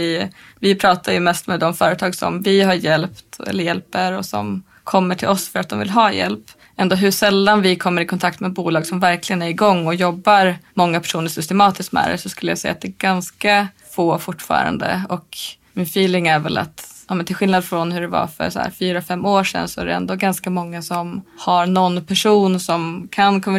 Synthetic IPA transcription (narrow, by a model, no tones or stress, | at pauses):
ɪ | vɪpʰɾɑːt̪ʰajɵmɛst̪mɛd̪ɔmfœːɾət̪ʰɑːɡsɔ̰mvɪɦaɾjɛlpt̪ɛ̰lːəɾjɛlpəɾɔsɔ̰m | kʰɔmːəʈʰɪlɔsfœɾat̪̚d̪ɔmvɪlɦɑːjɛ̰lp | ʔɛnd̪oːɦɵʂɛlːanvɪkʰɔmːəɾɪkʰɔnt̪ʰak̚t̪mɛbuːlɑːɡsɔmvæɾklɪɡənæɾɪɡɔŋːɔjɔbːaɾmɔŋːapʰæ̥ʂuːnəʂʏst̪ɛmɑːt̪ɪsk̪mɛ̰ːɾɛ̰sɔskɵlːəja̰sɛjːat̪̚d̪ɛːɡanska | foːfʊʈːfɑ̰ːɾa̰nd̪ə̰ɔk | mɪnfiːlɪŋæɾvɛ̰la̰t̪ɑːmɛnt̪ʰɪlɧɪlnad̪fɾɔnhɵɖɛva̰fœ̰ɾsɔæ̰ːɾfyːɾafɛmːoːʂɛ̰nːsɔæɖɛ̰ɛ̰nd̪oːɡanskamɔŋːasɔmhaɾnɔnpʰæʂuːnsɔmkʰankʰɔmːə